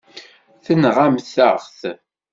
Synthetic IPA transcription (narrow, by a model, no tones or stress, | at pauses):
θənʁamθəɾʁθ